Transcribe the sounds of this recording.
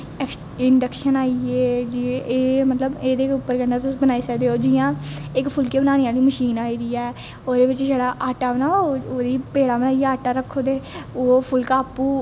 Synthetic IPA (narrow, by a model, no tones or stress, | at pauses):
ɛks | ɪɳɖəkʃənaːieːd͡ʒieːmət̪ləbeːd̪eːʊpːəɾɡənãt̪ʊsbənaːiːsəkd̪eːoːd͡ʒɪjãːɪkpʰʊlkeːbənaːnejãːliːməʃiːnaːiːd̪iːɛː | oːd̪eːbɪt͡ʃd͡ʒeːɽaːʔaːʈaːbənaːoːd̪iːpeːɽaːbənaːiːaːʈaːɾəkʰːoːd̪eːoːpʰʊlkaːpːuː